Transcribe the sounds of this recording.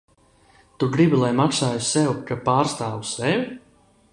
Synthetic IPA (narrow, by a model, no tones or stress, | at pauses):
t̪uɡɾibilˠajmaksaːjusɛwkapaːɾst̪aːwusɛvʲi